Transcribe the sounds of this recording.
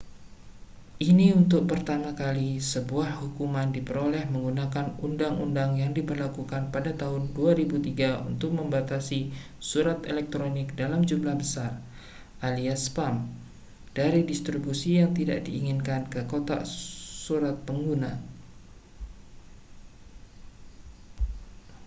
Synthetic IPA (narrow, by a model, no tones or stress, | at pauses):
ʔiniunt̪ʊk̚pərt̪amakalisəbuahhukumandipəɾolɛhməŋɡunakanundaŋṵndaŋjaŋdibərlakukanpadat̪aɦʊnduaɾibut̪iɡaṵnt̪ʊk̚məmbat̪asisuɾat̪elɛk̚t̪ɾonɪk̚dalamd͡ʒumlahbəsar | ʔaliaspam | d̥aɾidist̪ɾibusijaŋt̪ida̰ʔdḭiŋɪnkankəkot̪a̰suɾat̪̚pəŋɡuna